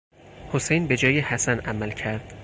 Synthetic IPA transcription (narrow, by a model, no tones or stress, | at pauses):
hosejnbe̞d͡ʒɒːjehæsænʔæmælcʰæɾd̪̥